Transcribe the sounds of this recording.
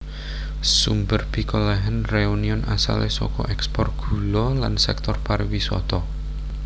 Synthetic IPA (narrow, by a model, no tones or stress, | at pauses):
sumbərb̥i̤kolɛɦənreuniɔnasa̰lesɔ̰kɔʔɛkspɔrt̪̚ɡ̥ṳlɔlansɛk̚t̪ɔrpaɾwisɔ̰t̪ɔ